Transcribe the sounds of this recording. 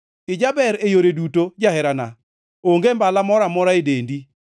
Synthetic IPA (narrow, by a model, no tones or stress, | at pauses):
ɪd͡ʒabɛɾejoɾedutod͡ʒaɦɛɾana̰ | oŋɡembalamɔɾamɔɾaedendi